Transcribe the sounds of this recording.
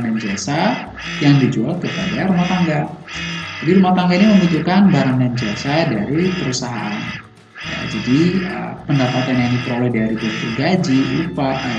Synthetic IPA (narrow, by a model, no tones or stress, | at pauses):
ŋdand͡ʒiasa | jaŋdid͡ʒualkəpadaɾumaht̪aŋɡa | d͡ʒadiɾumaht̪aŋɡainiməmbut̪ukanbaɾaŋdand͡ʒiasadaɾipəɾusaɦa̰ʔan | ja̰d͡ʒadiə̰pəndapat̪anjaŋdipəɾolɛhdaɾibɔr̚t̪uɡad͡ʒiʔupa